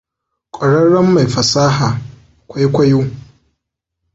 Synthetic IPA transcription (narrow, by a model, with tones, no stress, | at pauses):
kʷʼɐ˨ɽɐ˦ɽːɐ˦mːa˨jɸɐ˨saː˦ɦaː˨ | kʷa˦jkʷɐ˦joː˦